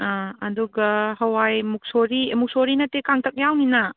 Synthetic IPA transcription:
aɐduɡɐɦɐwajmuk̚soɾimuk̚soɾinɐtekaŋtʰɐk̚jawninɐ

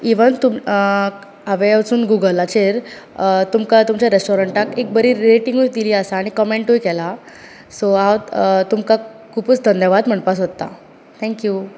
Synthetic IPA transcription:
iʋənt̪um | aʋet͡suːnɡuɡəlat͡ɕeɾ | t̪umkat̪umt͡ɕaɾesʈɔɾəɳʈãkek̚bəɾiːɾeʈĩŋɡujd̪iliːəsaːɽ̃ikɔmeɳʈujkɛla | soaw̪t̪umka | kʰuput͡sd̪ʱənjəʋad̪m̤əɳpasɦot̪ːa̰ | t̪ʰɛ̃ŋkju

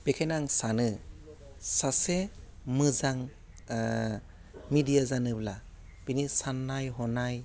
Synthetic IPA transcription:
b̥ekʰajnaŋsanɯ | sasemɯzaŋ | midijazanɯbla | b̥inisanːajɦɔnaj

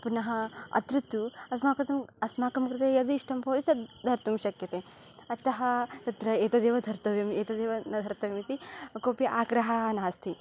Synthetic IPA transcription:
punɐɦɐɐ̰t̪ɾut̪uɐsmaːkɐt̪ɐmɐsmaːkɐmkɾɨt̪ejɐd̪iʂʈɐmpoːd̪it̪ɐd̪ʱɐɾt̪umʃɐkjɐt̪eː | ɐt̪ɐɦɐt̪ɐt̪ɾɐeːt̪ɐd̪eːʋɐd̪ʱɐɾt̪ɐʋɐmeːt̪ɐd̪eːʋɐnɐd̪ʱɐɾt̪ɐʋimit̪ikoːpjɐʔaːɡɾɐɦɐnaːst̪ʰi

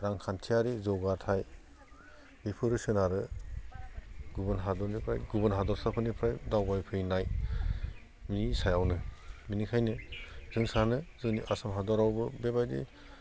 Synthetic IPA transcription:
ɾaŋkʰantʰijaɾizɔɡatʰaj | bipʰɯɾɯsɯnaɾɯ | ɡubɯnɦadɔɾnipʰɾa̰jɡubɯnɦadɔɾsapʰɯnipʰɾajdawbajpʰɯjnaj | misajawnɯminikʰajnɯzɯŋsanɯzɯniʔasamɦadɔɾawbɯbebajdḛ

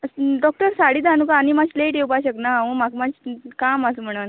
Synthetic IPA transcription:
ɖɔk̚ʈəɾsaɽid̪anukaːñimad͡ʑleʈewbaɕəknaʋəmakmad͡ʑkamasm̤əɽ̃un

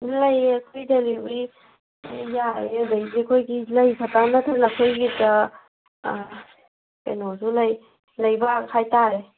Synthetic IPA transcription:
lajkʰojdelibɾi | jaedajzekʰojɡilajbʰatanatʰanakʰojɡita | pḛnozulaj | lajbakʰajtaɾe

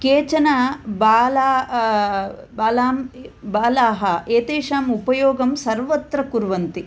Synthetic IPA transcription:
keːt͡ʃɐnabaːlaː | baːlaːmbaːlaːɦɐeːt̪eːʂaːmupɐjoːɡɐmsɐɾʋɐt̪ɾɐkuɾʋɐnt̪i

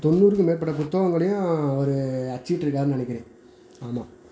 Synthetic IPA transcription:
t̪ɔnːuːɾɯkːɯmeːɾp̬ɐʈːɐp̬ʊt̪ːɐɣɐŋɡɐɭɐjʊ̃ɔɾɯɐt͡ʃːiːʈːɪɾɯkːaːɾɯnɐɳɐɪkʲːɪɾẽː | aːmaː

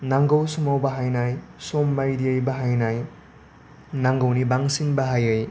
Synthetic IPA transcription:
naŋɡowsumawbɐɦajnajsomːajdiejbaɦajnaj | naŋɡownibaŋsinbɐɦajɯj

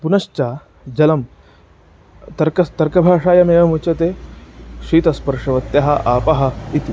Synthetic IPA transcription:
punɐʃt͡ʃaː | d͡ʒɐlɐm | t̪ɐɾkɐt̪ɐɾkɐbʱaːʂaːjɐmeːʋɐmut͡ʃɐt̪eːʃiːt̪ɐspɐɾʂɐʋɐt̪jɐɦɐʔaːpɐɦɐ̆it̪i

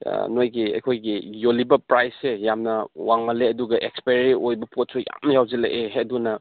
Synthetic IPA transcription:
nojɡiɐ̰jkʰojɡijolibɐpɾajsːejamnɐwaŋmɐleɐduɡɐʔekspeɾɾiojbɐpʰot̚suja̰mnɐjawzɐlḛʔeɦeɐdunɐ

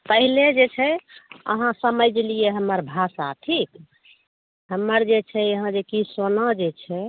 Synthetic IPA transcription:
pəɦiled͡ʒet͡ʃʰɛə̰ɦãsəməd͡ʒlijeɦəmːəɾbʱasa̰ʈʰik | ɦəmːəɾd͡ʒet͡ʃʰɛəɦãd͡ʒekisonad͡ʒet͡ʃʰɛ

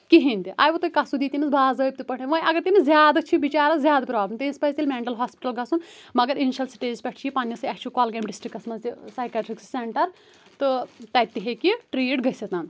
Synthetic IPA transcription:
kiɦinʲt̪iʔa̰ːjʋɐt̪okɐsud̪iːt̪imisbʱaːzəːjp̚ʲt̪ipɐɽʰeʋɐ̃jʔɐɡɐɾt̪imizʲjaːd̪ɐt͡ʃʰiʋit͡ʃaːɾɐzʲjaːd̪ɐpɾaːblɐmt̪inspɐzt̪elmʲeːɳʈɐlɦaːspi̥ʈɐlɡɐsunmɐɡɐɾiniʃɐlsi̥ʈeːzpʲɛʈʰt͡ʃʰiipaːnːjɐsɨɐkt͡ʃʰukoːlɡeːmɖisʈɾikːɐsmɐzisaːjkʲaʈɾiksseɳʈɐɾ | t̪ɨt̪ɐjt̪ːiɦekiʈɾiːʈɡɐset̪aːn

